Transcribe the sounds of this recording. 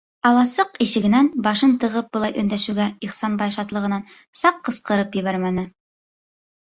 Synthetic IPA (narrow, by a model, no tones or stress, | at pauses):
ɑlˠɑsɤqiʃɘ̆ɡɘ̆nænbɑʃɤnt̪ɤ̆ʁɤp̚bŏlˠɑjʔɵ̆nd̪æʃʉɡæiχsɑnbɑjʃɑt̪lˠɤ̆ʁɤ̆nɑn | sɑqːɤ̆sqɤ̆ɾɤpjɘ̆βæɾmænɘ